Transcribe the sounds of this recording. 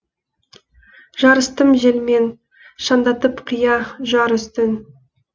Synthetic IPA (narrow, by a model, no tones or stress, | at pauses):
ʒ̥ɑɾəst̪əmʒelme̞n | ʃɑnd̪ɑt̪əpqʰijɑʒɑɾʏst̪ɪn